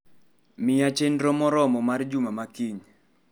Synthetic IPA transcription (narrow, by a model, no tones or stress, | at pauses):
mɪat͡ʃendɾɔmɔɾɔmɔmard͡ʒumamakiɲ